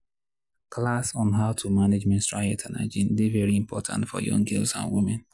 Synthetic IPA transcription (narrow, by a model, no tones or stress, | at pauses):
kʰlasɔ̃nɦaʊtʰumaned͡ʒmɛ̃nstɹaɛtʰãna̰d͡ʒĩndevɛɹiĩmpʰɔtʰã̰ntfɔ̰jɔ̰̃ŋɡɪlsã̰nwimɛ̃n